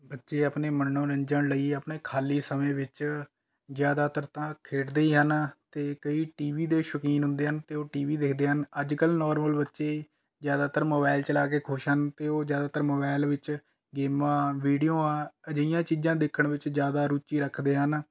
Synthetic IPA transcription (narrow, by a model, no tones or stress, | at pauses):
bətːʃeːəpneːmənːõːɾəɲd͡ʒəɳləiːəpneːkʰaːliːsəmẽːʋɪt͡ʃ | zjaːd̪aːt̪əɾt̪ãːkʰeːʈd̪eiːɦənt̪eːkəiːʈiːʋiːd̪eːʃəkiːnɦʊ̃nd̪eːɦənt̪eːoːʈiːʋiːd̪ɪkʰd̪eːɦənəd͡ʒkəlnɔːɾməlbətːʃeː | zjaːd̪aːt̪əɾmoːbaːɪlt͡ʃəlaːkeːkʰoːʃɦənt̪eːoːzjaːd̪aːt̪əɾmoːbaːɪlʋɪt͡ʃ | ɡeːmãːʋiːɖijõːãːəd͡ʒəijãːt͡ʃiːd͡ʒãːd̪ekʰːəɳʋɪt͡ʃzjaːd̪aːɾuːt͡ʃiːɾəkʰd̪eːɦən